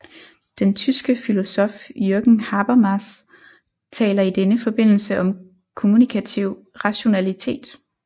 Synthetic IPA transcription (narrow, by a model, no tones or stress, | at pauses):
d̥ent͡sʰysɡ̥əfilo̝sɔ̽fjøɐɡ̥n̩hɑb̥ɐmɑs | t͡sʰɛ̰ːlɐid̥enəfɒ̽b̥e̝n̰l̩səʔɒ̽m | kʰo̝munikʰæt͡sʰiʊ̰ | ʁɑ̈ɕo̝nælit͡sʰe̝̰ːd̥